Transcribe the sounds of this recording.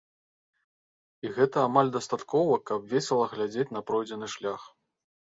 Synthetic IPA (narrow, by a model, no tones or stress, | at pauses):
iɣɛt̪ɐːmalʲd̪ɐst̪at̪kɔvɐkɐbvʲesʲɛlˠɐɣlʲad͡zʲet͡sʲnɐpɾɔjd͡zʲɛnɨʂlʲax